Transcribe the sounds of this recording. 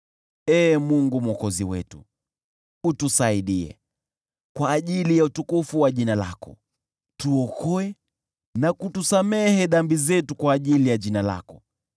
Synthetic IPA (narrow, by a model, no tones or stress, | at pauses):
ɛːmuŋɡumwɔkɔziwɛ̰tṵ | utusaiɗiɛ̰ | kwaːʄilijautukufuwaʄinala̰kɔ̰ | tuɔkɔɛ | nakutusamɛhɛɗambizɛtukwaːʄilijaʄinala̰kɔ